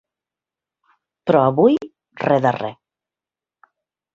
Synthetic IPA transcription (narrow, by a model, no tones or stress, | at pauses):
pɾɔaβuj | reðare